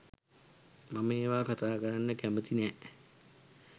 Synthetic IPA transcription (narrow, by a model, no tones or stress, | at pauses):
maməeːʋaːkat̪aːkəɾanːəkæmət̪inɛː